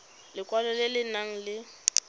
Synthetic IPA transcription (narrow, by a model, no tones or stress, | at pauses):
lɪkʼwalɛlɪlɪnaŋ̩lɪ